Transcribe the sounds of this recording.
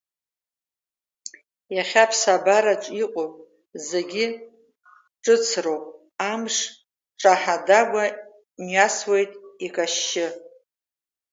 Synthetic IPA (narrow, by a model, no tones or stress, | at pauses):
jaχʲapʰsabaɾat͡ʃʷʼiqʷʼopʼ | ze̞ɡʲɪ | ʈ͡ʂʼɨt͡sʰrowpʼ | amʂ | ʈ͡ʂʼaħadaɡʷa | mɥaswe̞jtʼikʼaʃːɪ